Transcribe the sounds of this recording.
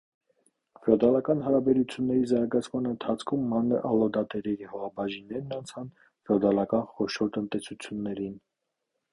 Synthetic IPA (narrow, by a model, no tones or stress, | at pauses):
fɔd̪ɑlɑkɑnɦɑɾɑbɛɾut͡sʰjunːɛɾizɑɾɡɑt͡sʰmɑnənt̪ʰɑt͡sʰkʰumːɑnːəʔɑlɔd̪ɑt̪ɛɾɛɾihɔʁɑbɑʒinːɛɾnɑnt͡sʰɑn | fɔd̪ɑlɑkɑnχɔʃɔɾt̪ənt̪ɛsut͡sʰjunːɛɾin